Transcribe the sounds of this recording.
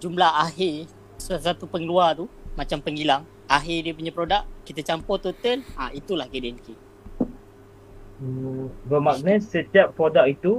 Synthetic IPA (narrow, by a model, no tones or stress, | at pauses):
d͡ʒumlahaɦɪ | slasat̪upəŋluat̪umat͡ʃampəŋilaŋ | aɦɪdiəp̬uɲãpɾodaʔkit̪ət͡ʃampʊrt̪ut̪əlait̪ulahɡedɛnki | əbəmak̚nəsət̪iaʔpɾodak̚it̪u